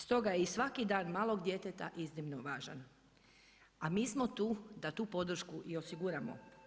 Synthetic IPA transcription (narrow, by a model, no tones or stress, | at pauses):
st̪o̞ɡajeisʋakid̪aːnmaːlˠo̞ɡd̪je̞t̪et̪aʔiznimnoʋaːʒa̰n | amiːsmo̞t̪uːd̪at̪uːpo̞d̪r̩ʃkuʔio̞siɡuɾamo̞̰